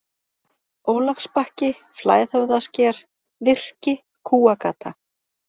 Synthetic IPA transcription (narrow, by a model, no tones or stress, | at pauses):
oːwlafspahcɪ | fla̰ːjθowðascɛːɾ̥ | vɪr̥cɪ | kʰuːakaːt̪ʰa